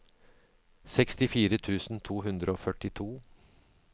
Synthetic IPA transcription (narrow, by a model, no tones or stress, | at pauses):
sɛkst̪ɪfiːɾət̪ʰʉːsn̩t̪ʰuːɦʉnd̪ɾəoːfœʈɪt̪ʰuː